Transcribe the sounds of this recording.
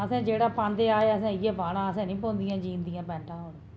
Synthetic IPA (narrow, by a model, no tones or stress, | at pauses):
əsɛ̃ːd͡ʒeːɽaːpãːnd̪eːaːeəsɛ̃ːɪjeːpaːɽãːəsɛ̃ːnĩːpõːnd̪ɪjãːd͡ʒiːnd̪ɪjãːpɛ̃ːʈãːoːɽ